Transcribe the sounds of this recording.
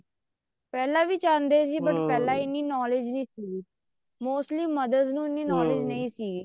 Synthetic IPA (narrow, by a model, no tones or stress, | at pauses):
pɛːlãːʋiːt͡ʃãːnd̪eːsiːbəʈpɛːlãːɪnːiːnɔːled͡ʒnĩːsiː | moːsʈliːməd̪əznũːɪnːiːnɔːlɪd͡ʒnəĩːsiː